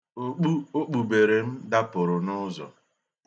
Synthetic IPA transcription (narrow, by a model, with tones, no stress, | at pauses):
o˦k͡pu˦o˦k͡pu˨be˨ɾe˨m̩˦da˦pʊ˨ɾʊ˨nʊ˦zɔ̰˨